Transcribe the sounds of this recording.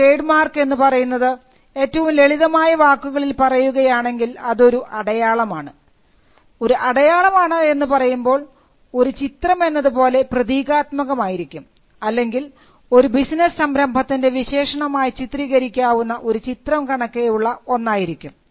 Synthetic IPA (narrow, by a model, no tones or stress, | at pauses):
ejɖmaːrke̞nːupɐrɐjunːɐðɨ | e̞ːtːɐʋumle̞ɭiðɐmaːjɐʋaːkːuɣɐɭilpɐrɐjuɣɐjaːɳe̞ŋɡilɐðo̞ɾuʔɐɽɐjaːɭɐmaːɳɨ | o̞ɾuʔɐɽɐjaːɭɐmaːɳɨe̞nːupɐrɐjumbo̞ːɭ | o̞ɾut͡ɕit̪rɐme̞nːɐðupo̞ːle̞prɐðiːɣaːt̪mɐɣɐmaːjiɾikʲːum | ɐlːe̞ŋɡil | o̞ɾubisnɐssɐmɾɐmbʱɐt̪ːinde̞ʋiɕe̞ːʂɐɳɐmaːjit͡ɕit̪riːɣɐɾikʲːaːʋunːɐʔo̞ɾut͡ɕit̪rɐmkɐɳɐkːejuɭːɐo̞nːaːjiɾikʲːum